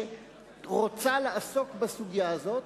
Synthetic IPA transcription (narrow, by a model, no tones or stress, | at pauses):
ʁot͡saleʔaso̞kbasuɡjaazo̞t